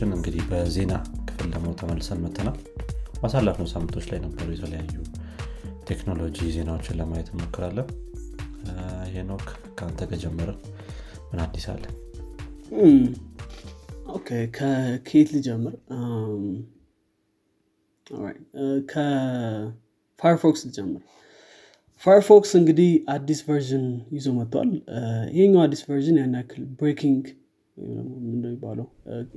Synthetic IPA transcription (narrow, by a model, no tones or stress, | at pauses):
ɪnɨŋɡɨd̪ihbəze̞nakʰɨ̥fɨld̪əmot̪ʰəməlːsənmət̪ʰːənal | basalːafnəwsamːɨnt̪ʰo̞t͡ʃːlajnəbːəɾujɛt̪ʰələjajːu | t̪ʰe̞kno̞lo̞d͡ʒize̞nawo̞t͡ʃːɪnləmajɛt̪ɪmokːɨɾalːəh | iɦenok | kʰːant̪ʰəɡəd͡ʒɛmːəɾə | mɨnad̪ːisa̰lːən | okʰekʰəkʰet̪lɨd͡ʒɛmːəɾm | o̰lɾa̰jt̪kʰə | fajɾfokslɨd͡ʒɛmːəɾ | fajɾfoksɨŋɡɨd̪ihad̪isvəɾʒɨnjɪzomət̪ːwa̰lɪ̰heɲːawad̪ːisvəɾʒɨnjanːakʰːɨlbɾekʰiŋɡ | j̰d̪ə̰ɡnomɨnd̪əjɪbːaləw